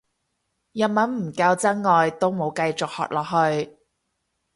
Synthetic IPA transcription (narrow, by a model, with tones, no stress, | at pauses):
jɐ˨t̚mɐ˨˥nm̩˨˩kɐː˧wt͡sɐ˥ŋŋɔː˨˧jt̪o˥wmo˨˧wkɐ˧jt͡sʊ˨k̚hɔ̰ː˨k̚lɔ̰ː˨˩k̚ɦhɵ˧ɥ